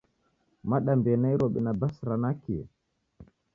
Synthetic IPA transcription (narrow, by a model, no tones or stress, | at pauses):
maɗambɛnaiɾɔɓɛnabasɾanakiɛ̰